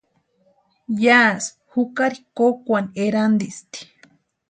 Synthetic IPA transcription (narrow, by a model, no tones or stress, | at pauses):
jas | hukaɾikokʷaneɾand̪ist̪i̥